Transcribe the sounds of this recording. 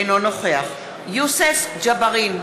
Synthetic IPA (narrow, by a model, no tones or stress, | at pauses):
jnonoχeaχ | jusesd͡ʒabaʁin